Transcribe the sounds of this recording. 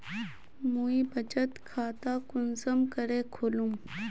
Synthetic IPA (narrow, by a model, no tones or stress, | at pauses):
muibʱɐt͡ʃət̪kʰaːt̪aːkʊnsəmkɐɾeːkʰoːlũm